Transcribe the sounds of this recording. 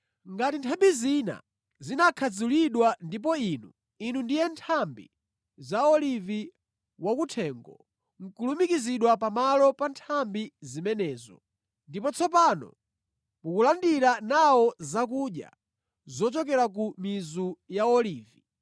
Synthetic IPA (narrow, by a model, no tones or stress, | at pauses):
ŋɡatintʰambizina̰ | zinakʰad͡zuliɗwandip̬ɔinu | inundijɛntʰambḭ | zaɔlivi | wakutʰɛŋɡɔ̰ | ŋ̩kulumikiziɗwapamalɔpantʰambizimɛnɛːzɔ̰ | ndipɔt͡sʰɔp̬anɔ̰ | mukulandiɾanawɔzakuɗja̰ | zɔt͡ʃɔkɛɾak̬umizujaɔliːvi